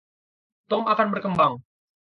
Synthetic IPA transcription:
t̪ɔmakanbərkəmbaŋ

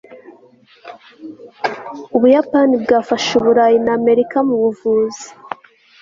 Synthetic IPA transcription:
uβujapanibɡaːfaʃuβuɾaːjinaːme̞ɾikamuβuvuːzi̥

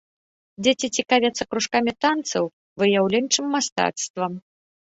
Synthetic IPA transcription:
d͡zʲɛt͡sʲit͡sʲikavʲɐt̪sːɐkɾuʂkamʲit̪ant̪sɐw | vɨjawlʲɛnt͡ʂɨmːast̪a̰t̪st̪vɐm

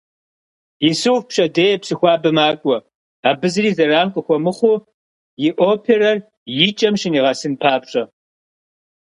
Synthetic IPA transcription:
isɨwpɕʼɐdeːjɛpsɨxʷɑːbɐmaːkʷʼɔ | aːbɨzɨriːzɐraːnqʼɨxʷɔmɨχʷʊː | jɪʔoːpʰeɾɐr | jɪt͡ʃʼɐmʃɪniːʁɐsɨnpʰaːpɕʼɐ

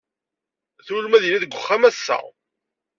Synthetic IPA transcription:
θulmæðiliðəɡʷʊχːamæsːæ̰

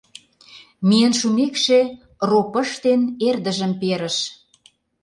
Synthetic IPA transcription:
mijənʃumekʃe | ropəʃt̪enerd̪ə̆ʒə̆mpeɾə̆ʃ

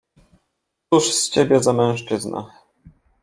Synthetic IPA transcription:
t̪uʂst͡ɕebʲjɛzamɛ̃w̃ʂt͡ʂɘznʔa̰

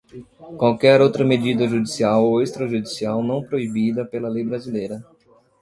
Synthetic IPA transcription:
kwawkɛɾowt̪ɾɐmed͡ʒid̪ɐʒud͡ʒisiawoest̪ɾɐʒud͡ʒisiawnɐ̃w̃pɾoibid̪ɐpelɐlejbɾazilejɾɐ

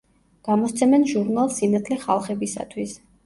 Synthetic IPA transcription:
ɡ̥amɔst̪sʰɛmɛnʒuɾnalˠsinat̪ʰlɛχalˠχɛbisa̰t̪ʰwis

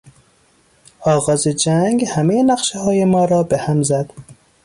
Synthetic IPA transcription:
ɒːɣɒːzed͡ʒæŋɡhæmejenæqʃehɒːjemɒːɾɒːbehæmzæd̪̥

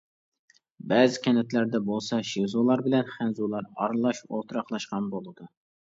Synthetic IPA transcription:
bɛːzɪkʲʰɛnɛt̪læɾd̪ɛbolˠsɑʃezulˠɑɾbɪlɛnχænzulˠɑɾɑɾlˠɑʃo̰t̪ʰɨɾɑχlˠɑʃqɑnbolˠɨd̪u

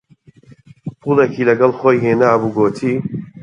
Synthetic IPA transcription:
pʰuːlˠekʰiːlɐɡɐlxoːjɦeːnaːbuːɡoːt̪ʰiː

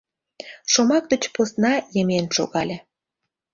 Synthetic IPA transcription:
ʃomɑkd̪ət͡ɕposnɑjəmenʃo̰ɣɑlʲe

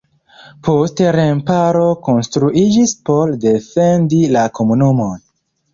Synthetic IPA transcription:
po̞steɾempaɾo̞ko̞nstɾuʔid͡ʒispo̞lde̞fe̞ndilako̞munumo̞n

